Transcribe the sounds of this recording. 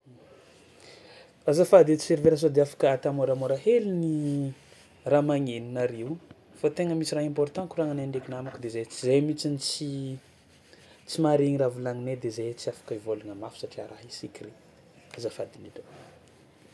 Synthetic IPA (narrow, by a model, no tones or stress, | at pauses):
azafad̪et͡si̥seɾiveɾəs̬od̪eafḁkəat̪amoɾamoɾaɦelini | ramaŋeninaɾiw | fat̪eŋəmisiraɦẽmpɔɾt̪ɑ̃kuraŋaneɳɖ͡ʐekinamakud̪ezet͡sizejmit͡sinit͡si | t͡simaɾiŋiravulaŋined̪ezet͡siafḁkəivoluŋamafu̥saʈ͡ʂiaɾʔaɦisikʲire | azafad̪inito